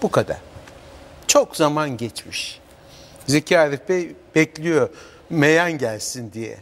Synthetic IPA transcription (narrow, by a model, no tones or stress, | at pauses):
b̥ukʰad̪a̰ɾ̥ | t͡ʃʰokzamanɟɛt͡ʃmiʃ | zecʰaːɾibb̥ɛclʲijo | mejanɟælʲsind̪ijɛ̰